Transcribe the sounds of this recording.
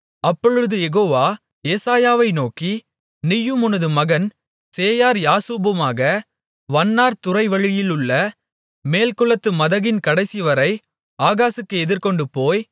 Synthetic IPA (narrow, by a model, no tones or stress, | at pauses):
ɐpːɔɻɯðɯjɛɣoːʋaː | eːsaːjaːʋɐɪnoːki | nɪjːɯmʊnɐðɯmɐɣɐn | seːjaːɾjaːsuːbɯmaːɣɐ | ʋɐnːaːɾt̪ʊrɐɪʋɐɻɪjɪlɯɭːɐ | meːlkʊɭɐt̪ːɯmɐðɐɣɪnkɐɽɐɪsɪʋɐɾɐɪ | aːɣaːsɯkːɯɛðɪɾkɔɳɖɯpoːj